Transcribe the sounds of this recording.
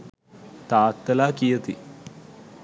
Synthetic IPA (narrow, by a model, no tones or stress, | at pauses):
t̪aːt̪ːɐlaːkijɐt̪i